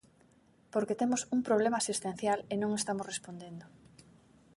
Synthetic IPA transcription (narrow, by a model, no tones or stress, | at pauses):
poɾket̪emosuŋpɾoβ̞lemaːsist̪en̟θjalenõŋest̪amosrespond̪end̪o